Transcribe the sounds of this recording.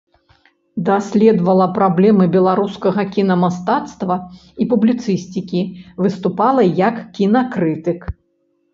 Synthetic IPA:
d̪asʲlʲɛd̪vɐlˠɐpɾablʲɛmɨbʲɛlˠaɾuskɐɣɐkʲinɐmast̪at̪st̪vɐipublʲit̪sɨsʲt͡sʲikʲivɨst̪upalˠɐjɐkːʲinɐkɾɨt̪ɨk

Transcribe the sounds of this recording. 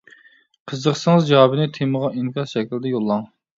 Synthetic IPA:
qʰəzəqsəŋəzd͡ʒɑwɑbɪnɪt̪ʰeməʁɑiŋkɑɾʃɛkʲild̪ɪjolˠːɑŋ

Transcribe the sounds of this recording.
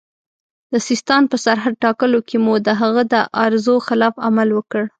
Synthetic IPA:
d̪̥əsɪst̪ɑnpəsaɾɦad̪̚ʈɑkəlokemud̪əɦaɣəd̪əʔaɾzoxɪlɑfa̰malwəkəɽ

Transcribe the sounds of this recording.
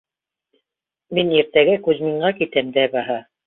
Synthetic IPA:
miniɾt̪æɡækʉzmiɴɢɑkit̪ɘmd̪æbɑɦɑ

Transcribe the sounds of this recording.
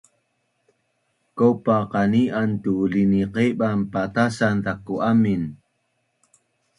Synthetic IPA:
kopaqaniʔant̪uliniqeɓampat̪asant̪akːuʔamin

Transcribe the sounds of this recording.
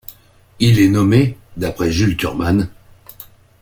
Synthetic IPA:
ilɛnɔmed̪apχɛʒylt̪y̰ʁman

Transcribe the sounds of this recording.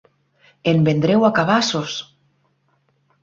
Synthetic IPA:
embend̪ɾewakaβasos

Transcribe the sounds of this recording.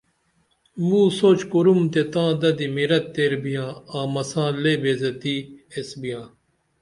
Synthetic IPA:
mũːsoːt͡ʃkuɾumt̪et̪ãːd̪ɐd̪imiɾɐt̪ːeːɾbijãːãːmɐsãːleːbeːzɐt̪iːesbijãː

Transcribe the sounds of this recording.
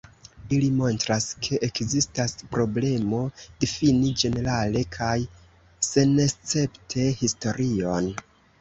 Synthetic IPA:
ilimo̞ntɾaskʰe̞ʔekzistaspɾo̞ble̞mo̞d̥ifinid͡ʒe̞ne̞ɾale̞kʰaj | se̞nest͡se̞ptʰe̞histo̞ɾʔio̞n

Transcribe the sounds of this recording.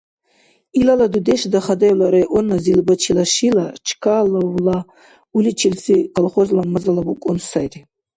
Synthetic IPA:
ilaladudeʂdaχadajlaɾajʔonːazilbat͡ʃʰilaʂilat͡ʃʰkʰalowla | ulit͡ʃʰilʲt͡sikʼolχozlamɨzalabukʷʼʊnsajtʼ

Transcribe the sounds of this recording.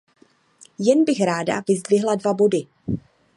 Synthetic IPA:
jɛnbɪxɾaːda̰vɪzdvɪɦladvabo̞dɪ

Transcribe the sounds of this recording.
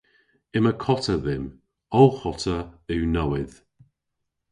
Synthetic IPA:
ɪməkʰɔtəðɪm | ɔwˠxɔtʰəʉwnawɪð̥

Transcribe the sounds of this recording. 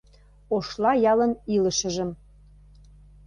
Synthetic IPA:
oʃlɑjɑlə̆nilə̆ʃə̆ʒə̆m

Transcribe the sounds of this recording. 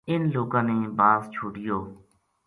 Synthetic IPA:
ɪnloːɡãːneːbaːst͡ʃʰuːɽɪjoː

